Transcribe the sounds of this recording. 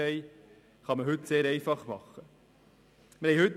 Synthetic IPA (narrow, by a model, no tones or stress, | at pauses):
ɛɪ | χɑməɦʏt̪seːɾɛɪfɑχmɑχə | məhɛɪhʏt̪ː